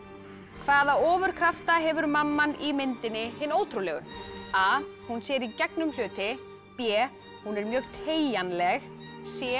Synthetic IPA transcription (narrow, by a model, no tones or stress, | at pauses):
kʰvaːðaɔːvʏɾ̥kʰɾaft̪aɦɛvʏɾmamːanimɪnt̪ɪnːɪhɪnːoːwt̪ʰɾulɛːɣʏ̰aːhunsjɛɾicɛknʏml̥ʏːt̪ɪ | pjɛː | hunɛɾmjœɣt̪ʰeːjanlɛx | sjɛ